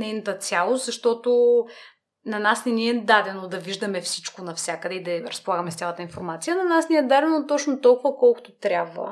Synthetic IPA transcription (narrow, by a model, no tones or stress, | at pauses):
nɛjnɐt̪ət̪sʲjalˠost̪zɐʃt̪ɔt̪o | nɐnasnɛniɛd̪ad̪ɛnod̪ɐviʒd̪əmɛfsit͡ʃkonɐfsʲjakəd̪ɛid̪ɐɾɐspolˠaɡəmɛsʲalˠət̪əinfoɾmat̪sijənɐnasnʲiɛd̪ad̪ɛnot̪ɔt͡ʃnot̪ɔlˠkʊvəkɔlˠkʊ̥t̪ot̪ɾʲabvə̰